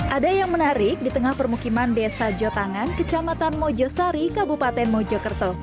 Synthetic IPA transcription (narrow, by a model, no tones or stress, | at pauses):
ʔadajaŋmənaɾɪk̚dit̪əŋahpərmukimandesad͡ʒɔt̪aŋankət͡ʃamat̪anmɔd͡ʒɔsaɾikabupat̪ɛnmɔd͡ʒɔkərt̪ɔ